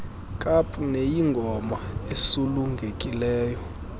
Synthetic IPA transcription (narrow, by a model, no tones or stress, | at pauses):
kʼapʰʼunejiŋɡʱɔmaesuluŋɡʱekʼilɛːjɔ